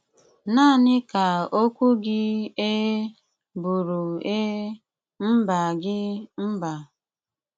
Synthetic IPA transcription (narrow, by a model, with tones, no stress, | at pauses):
na˦˨nɪ˦ka˨o˦kʷu˦ɡɪ˦e˦ | bu˨ɾu˨e˦ | m̩˦ba˨ɡɪ˦m̩˦ba˨